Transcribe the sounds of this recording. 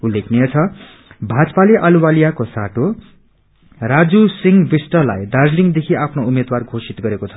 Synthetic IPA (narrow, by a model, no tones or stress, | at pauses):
ulːekʰneʌt͡sʰʌ | bʱad͡zpaliʔaluwalijakosa̰ʈo | rad͡zusiŋbisʈʌlajd̪ard͡zliŋd̪ekʰiapʰnoumed̪warɡʱosit̪ɡʌɾekot͡sʰʌ̥